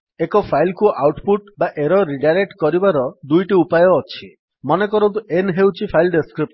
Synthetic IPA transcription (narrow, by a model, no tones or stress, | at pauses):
ekɔpʰajlkuʔawʈpuʈbaʔeɾɔɾiɖaɾek̚ʈkɔɾibaɾɔd̪ujʈiupajɔːt͡ʃʰi | mɔnekɔɾɔt̪̬uʔenɦewt͡ʃʰipʰajlɖeskɾip̚